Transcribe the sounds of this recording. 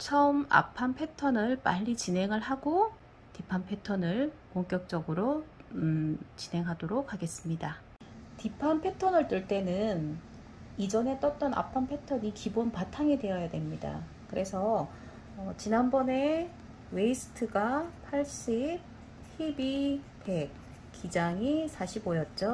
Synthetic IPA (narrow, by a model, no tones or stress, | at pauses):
t͡ɕʰʌma̰pʰampʰe̞tʰʌnɯɭp͈aʎːit͡ɕine̞ŋɯɭɦaɡo | tipʰanpʰe̞tʰʌnɯɭkoŋk͈jʌk̚t͡ɕ͈ʌɡɯɾo | t͡ɕine̞ŋɦadoɾok̚haɡe̞s͈ɯmɲida | tipʰanpʰe̞tʰʌnɯɭt͈ɯɭt͈e̞nɯn | id͡ʑʌne̞t͈ʌt̚t͈ʌna̰pʰanpʰe̞tʰʌɲikibonpatʰaŋede̞jʌjadwe̞mɲida̰ | kɯɾe̞sʰʌː | t͡ɕinanbʌne̞ | we̞isʰɯ̥tʰɯɡapʰaɭɕ͈ip̚ | hʰibi | pʰe̞k̚ | k͈id͡ʑaŋisʰaɕʰibojʌt̚t͡ɕ͈o